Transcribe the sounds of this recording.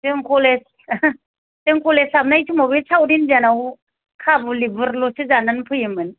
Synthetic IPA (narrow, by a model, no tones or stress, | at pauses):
tɯŋkʰoles | tɯŋkʰɔlesamnajtʰumawbisʰawdinzanaw | kʰabulibɯɾlɔsɯzananpʰɯjɯmɯn